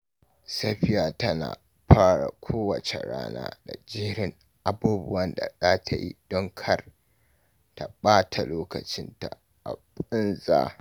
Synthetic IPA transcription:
sɐ˦ɸɪ˦jaː˨tɐ˦na̰ː˨ | ɸaː˦ɽa̰˨kʷʰoː˦wɐ˨t͡ʃḛ˨ɽa̰ː˦na̰ː˦da˨d͡ʒɪ˦ɾɪ˦ŋ | ʔa˨buː˦bʊ˦wɐ˦nda˨zaː˦tʰa˨jḭ˦d̥ɔ˦ŋkʰɐ˦r | ta˨ɓaː˦tʰa˨loː˦kɐ˨t͡ʃɪ˦nta˨ | ʔa̰˨bʼɪ˦nzaː˦

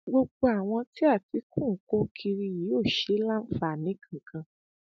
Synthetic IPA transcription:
ɡ͡bo˧ɡ͡bo˧a˨w̃ɔ̃˧ti˦a˦˨ti˨˦kũ˦˨˦ko˦kʰi˧ɾi˧ji˨˦o˦˨ʃe˧˦la˦n̩˦fa˨nĩ˨˦kʰã˦˨kʰã˧

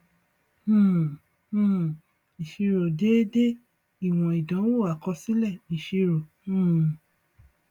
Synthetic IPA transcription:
ũ˦ | ũ˦˨ | i˨ʃi˧ɾo˨de˦de˦ | i˦˨w̃ɔ̃˨i˨dã˨˦wo˦˨a˨kɔ˧sĩ˦lɛ˦˨nĩ˨˦˨ʃi˧ɾo˨ | ũ˦˨

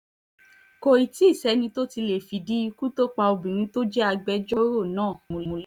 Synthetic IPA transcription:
ko˧i˨ti˦˨sɛ˨˦nĩ˧˦to˦ti˧le˨fi˨di˦˧ku˦to˦k͡pa˧o˧bĩ˨ɾ̃ĩ˧˦to˦d͡ʒɛ˦a˧ɡ͡bɛ˧˦d͡ʒo˦ɾo˦˨nãː˦˨mũ˧˨lũ˧l

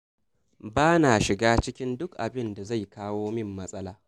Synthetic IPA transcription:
baː˦na˨ʃɪ˨ɡaː˦t͡ʃɪ˦kʲɪ˦ndʊ˦kʔa˨bɪ˦nda˨za˦˨jkaː˦woː˦mɪ˦˨mːɐ˦sʼɐ˦laː˨

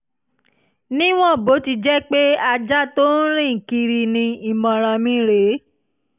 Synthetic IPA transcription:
nĩ˦w̃ɔ̃˦˨bo˨˦ti˧d͡ʒɛ˦k͡pe˦a˧d͡ʒa˦to˦n̩˦ɾ̃ĩ˦˨ki˧ɾi˧nĩ˧i˦˨mɔ̃˨ɾ̃ã˨˧mĩ˦ɾe˨˦

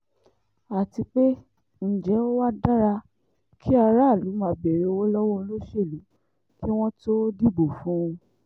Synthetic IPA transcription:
a˨ti˧k͡pe˦ | n̩˨d͡ʒɛ˨˦o˦wa˦da˦ɾa˧ | kʰi˦a˧ɾa˦˨lu˨˦mã˨˧bɛ˨ɾe˨˧wo˦lɔ˦wɔ̃˦˧lo˦ʃe˦˨lu˨˦ | ki˦w̃ɔ̃˦to˦di˦˨bo˨fũ˨˦ũ˧

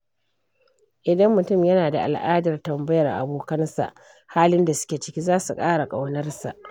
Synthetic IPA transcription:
ʔɪ˨dɐ˦mːʊ˨tʊ˦˨mjɐ˦naː˨da̰˨ʔa̰˨lʔaː˦dɐ˨rtɐ˨mbɐ˦jɐ˨rʔa̰˨boː˦kɐ˦nsa̰˨ʔ | haː˦lɪ˦nda˨sʊ̥˦kʲe˨t͡ʃɪ̥˦kʲi˦zaː˦su˨kʼaː˦ɽa˨kʼa˨wnɐ˦rsa̰˨ʔ

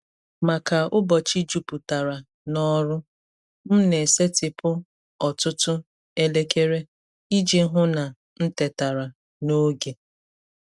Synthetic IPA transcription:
ma˨ka˨ʊ˦bɔ˨t͡ʃi˦d͡ʒu˨pu˨ta˨ɾa˨ | nɔ˦ɾʊ˦ | m̩˦ne˨se˦tɪ˨pʊ˦ | ɔ˨tʊ˦tʊ˦ | e˦le˦ke˦ɾe˦ | i˦d͡ʒe˦ɦʊ˦na˨ | n̩˦te˨ta˨ɾa˨ | no˦ɡe˨

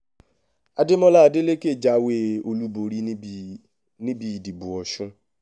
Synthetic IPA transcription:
a˧de˦mɔ̃˦la˦˨˧de˦le˦ke˦˨d͡ʒa˨˦we˦o˧lu˦bo˨ɾi˧˦ | nĩ˦bi˧i˨di˨bu˨ɔ˨ʃũ˧

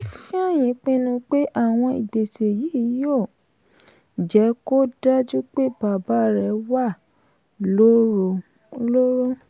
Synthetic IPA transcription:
fĩ˦a˦˨j̃ĩ˨˦k͡pĩ˦nũ˧k͡pe˦ʔa˦˨w̃ɔ̃˧i˨ɡ͡be˨se˨ji˨˦˨jo˦˨ | d͡ʒɛ˨˦ko˦da˦d͡ʒu˦k͡pe˦b̥a˨ba˨˦ɾɛ˨˦wa˦˨ | lo˦ɾo˧ | lo˦ɾo˦

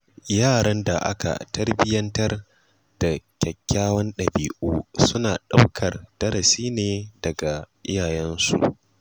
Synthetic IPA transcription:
jaː˦˨ɽɐ˦nda̰˨ʔa̰˦ka̰˨tɐ˦rbɪ˦jɐ˦ntɐ˦r | d̥a˨kʲɐ˨kʲːaː˦wɐ˦nɗɐ˨biː˨ʔuː˦sʊ˦naː˨ɗa˦wkʰɐ˨rd̥ɐ˦ɾɐ˨siː˦neː˨dɐ˨ɡa˨ʔɪ˦jaː˨jɛ˦nsṵ˨ʔ

